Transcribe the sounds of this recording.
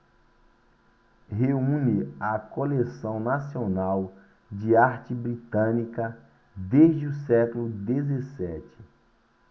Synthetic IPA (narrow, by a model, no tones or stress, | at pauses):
ɦeũnɪɐkolesɐ̃w̃nasionaw | d͡ʒɪaɾt͡ʃɪbɾit̪ɐ̃nikɐ | d̪ezd͡ʒɪʊsɛklʊd̪ezesɛt͡ʃɪ̥